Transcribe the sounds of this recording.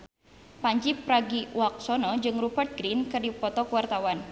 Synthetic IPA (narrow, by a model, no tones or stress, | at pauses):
paɲd͡ʒipɾaɡiwak̚sɔnɔd͡ʒɨŋrubərt̪̚ɡɾinkɨrdipɔt̪ɔkuwart̪awan